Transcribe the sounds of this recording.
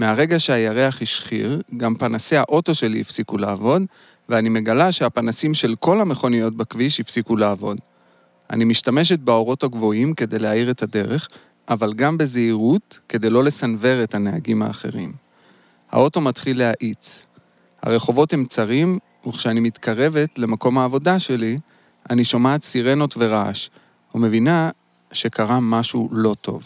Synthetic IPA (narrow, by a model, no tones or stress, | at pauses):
meaʁe̞ɡaʃe̞ajaʁe̞aχiʃχḭʁɡampanase̞haʔo̞to̞ʃe̞lḭifsikulaːvo̞d | veanime̞ɡalaʃe̞apanasimʃe̞lko̞lame̞χo̞nijo̞t̚bakviʃhifsikulaːvo̞d | a̰nimiʃtame̞ʃ̬et̚beo̞ʁo̞taɡvo̞imke̞d̪e̞jleaiʁe̞tade̞ʁe̞χ | ʔavalɡambe̞zeiʁutke̞de̞jlo̞le̞sanve̞ʁe̞thanea̰ɡima̰ːχe̞̰ʁḭm | ha̰o̞to̞matχilːeaʔit͡s | ha̰ʁe̞χo̞vo̞the̞mt͡saʁim | uχʃeanimitkʰaʁe̞ve̞tle̞mako̞mhaːvo̞daʃe̞li | aniʃomaːt͡siʁe̞no̞tve̞ʁaaʃ | hume̞vina | ʃe̞kaʁamaʃulo̞tʰo̞̰v